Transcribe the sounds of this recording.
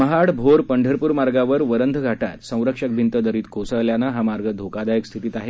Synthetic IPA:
məɦaɽbʱoɾpəɳɖʱəɾpuːɾmaɾɡaʋəɾʋəɾənd̪ʱəɡʱaʈa̰t̪sə̃w̃ɾəkʂək̚bʱint̪əd̪əɾiːt̪kosəɭljanaɦamaɾɡəd̪ʱokad̪ajəkst̪ʰit̪iːt̪aɦe

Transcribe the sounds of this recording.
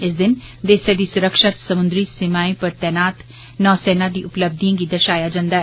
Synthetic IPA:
ɪs̬d̪ɪnd̪eːseːd̪iːsʊɾəkʃət̪səmʊ̃nd̪ɾiːsɪmaːẽpəɾt̪ɛːnaːt̪ | nɔːsɛːnaːd̪iːʔʊpləb̚d̪iãːɡid̪əɾʃaːjaːd͡ʒãːnd̪aːɦɛ

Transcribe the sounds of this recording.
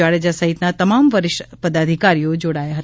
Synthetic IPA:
aɭed͡ʒasəɦit̪nat̪əmamʋəɾɪʃpəd̪ad̪ʱikaɾijod͡ʒoɽajaɦət̪

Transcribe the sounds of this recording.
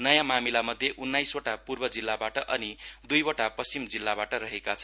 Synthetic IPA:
nʌjamamilamʌd̪ʱjeʔunːajsoʈapurbʌd͡zilːabaʈʌʔʌnid̪ujoʈapʌst͡simd͡zilːabaʈʌɾʌɦekat͡sʰʌn

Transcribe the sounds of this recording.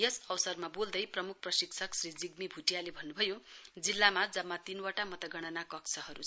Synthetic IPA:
jʌsʌwsʌrmabold̪ʌjprʌmuk̚ʰprʌsiksʰʌksrid͡ziɡ̚mibʱuʈijalebʱʌnːubʱʌjod͡zilːamad͡zʌmːat̪inwaʈamʌt̪ʌɡʌɽ̃ʌnakʌkt͡sʰʌɦʌɾu

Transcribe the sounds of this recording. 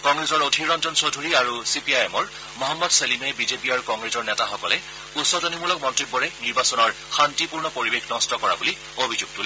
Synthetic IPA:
kɔŋɡɹezɔɹodʱiɹɔntɔnsodʱuɹiaɹusipiajɛmɔɹ | mɔɦamːɔdselimɛbizepiaɹukɔŋɡɹezɔɹnɛtaxɔkɔlɛ | usɔdɔnimuɹlɔk̚mɔntɹik̚bɔɹɛniɹbasɔnɔɹ | xantipuɹnɔpoɹibexʰnɔstɔkɔɹa̰buli | obʱizuɡ̚tul

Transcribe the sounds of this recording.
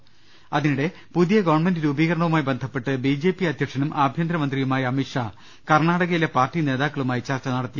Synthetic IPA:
ɐðinuɽe̞ | puðijɐɡɐʋɐɳme̞ndɨɾuːbiːɣɐɾɐɳɐʋumaːjibend̪ʱɐpːe̞ʈːɨbid͡ʑe̞ːpːiɐt̪jɐʈʂʰɐnumʔaːbʱjɐnd̪ɾɐmɐnd̪rijumaːjɐmiʈʂa | kɐrɳaːɽɐɣɐjile̞paːrtːine̞ːðaːkːɐɭumaːjit͡ɕɐrt͡ɕːɐnɐɽɐt̪ːi

